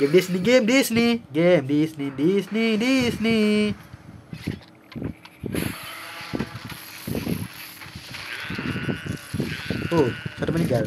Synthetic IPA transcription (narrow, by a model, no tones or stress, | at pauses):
ɡemdisniɡemdisniɡemdisnidisnidisni | osat̪amaniɡal